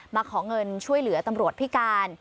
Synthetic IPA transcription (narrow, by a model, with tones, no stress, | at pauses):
maː˧kʰɔː˩˦ŋɤ˧nt͡ɕʰu˥˩əjlɯ˩˦ɐt̪a˧mɾu˨˩ət̪̚pʰi˦˥kaː˧n